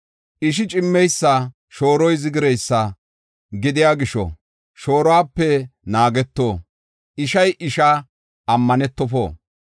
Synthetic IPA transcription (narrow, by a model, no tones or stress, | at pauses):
ʔɪʃ̬ɪt͡ʃʼɪmːɛjsːɐ | ʃo̞ːɾɔjzɪɡɪɾɛjsːɐ | ɡɪd̪ɪjaːɡɪʃɔ̰ | ʃo̞ːɾɔwaːpːɛnaːɡɛt̪ːoː | ʔɪʃɐjʔɪʃɐ | ɐmːɐnɛt̪ːɔfo̰ː